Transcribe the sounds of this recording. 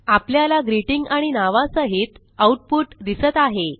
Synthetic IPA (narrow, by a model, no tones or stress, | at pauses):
apljalaɡɾiʈiŋɡaɽ̃inaʋasəɦit̪ | auʈ̚puʈd̪isət̪aɦe